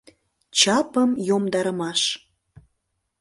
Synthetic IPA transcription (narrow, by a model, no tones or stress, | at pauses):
t͡ɕɑpəmjomd̪ɑɾəmɑʃ